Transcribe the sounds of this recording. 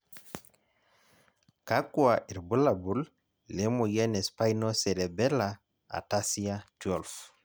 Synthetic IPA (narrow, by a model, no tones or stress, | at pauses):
kakuwaʔiɾbulabulː | ɛmɔjɛnɛspajnɔsɛɾɛbɛla | a̰tasiatuɔlf